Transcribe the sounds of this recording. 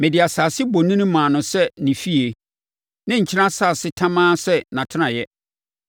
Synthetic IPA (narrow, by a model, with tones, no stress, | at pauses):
mɛ̃˨dɪ˨a˨saː˨sɪ˦bo˨nĩ˦nʊ̃˦mãː˨nʊ̃˨sɛ˦nĩ˨fi˦e˨ | nã˦ɲ̩˨t͡ɕʰɪ˦ã˦saː˦˨sɪ˦tʰã˦mãː˦sɛ˦nã˨tʰɪ˦ã˨jɛ˦